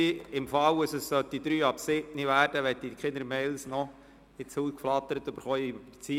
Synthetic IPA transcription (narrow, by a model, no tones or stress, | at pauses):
iɪmfɑwəsəsːœt̪̚did̪ɾyːɑpsɪtniʋæːɾd̥əʋɛt̪̚dikχɪnəɾmɛɪlsnɔ | ɪt͡suːskflɑt̪ːəɾət̪øbəɾχɔːi̥t͡si